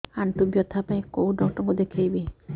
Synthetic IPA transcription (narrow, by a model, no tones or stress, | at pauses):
aɳt̪ubjɔt̪ʰapaj̃kowd̪ɔwʈɔŋkud̪ekʰejbi